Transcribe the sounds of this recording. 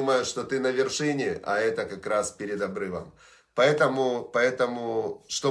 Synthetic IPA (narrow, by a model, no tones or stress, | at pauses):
uməjʊʂt̪o̞t̪ɨnəvʲɪrʂɨnʲɪʔɐ̰ɛt̪əkɐkɾaspʲɪɾʲɪd̪ɐbɾɨvə̰m | pɐɛt̪əmʊpɐɛt̪əmʊʂt̪o